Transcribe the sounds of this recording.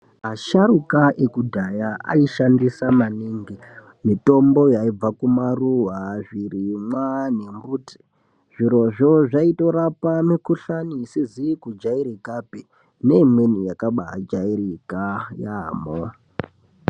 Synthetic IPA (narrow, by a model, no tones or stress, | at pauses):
ɦaʃaɾukaʔekudʱajaa̰iʃandisamaniːŋɡi | mito̞mbo̞jaib͡vakumaruwaʐirimwanembuːti̥ | ʐ̥iɾo̞ʐoʐaito̞ɾapamikuɬanisizikud͡ʒaiɾikapi | ne̞imwenijakaɓa̰d͡ʒairikajamoa